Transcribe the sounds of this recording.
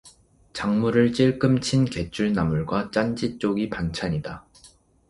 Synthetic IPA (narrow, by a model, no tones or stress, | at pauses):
t͡ɕaŋmuɾɯɭt͡ɕ͈iɭk͈ɯmt͡ɕʰinke̞t͡ɕʰuɭnamuɭɡwat͡ɕ͈and͡ʑit͡ɕ͈oɡipant͡ɕʰaɲida